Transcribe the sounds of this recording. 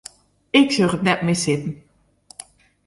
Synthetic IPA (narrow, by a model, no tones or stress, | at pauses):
ɪksørətnɛt̚mɪsɪtən̩